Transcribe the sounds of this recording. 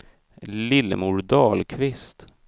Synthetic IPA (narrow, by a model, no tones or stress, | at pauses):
lɪlːə̰muɾd̪ɑːlkʰvɪst̪